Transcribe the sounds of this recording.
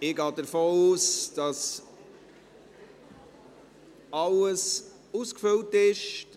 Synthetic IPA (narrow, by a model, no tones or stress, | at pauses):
ɪɡɑːdəɾfoːuːsd̥ɑs | ɑləs | uskfɵltɪʃ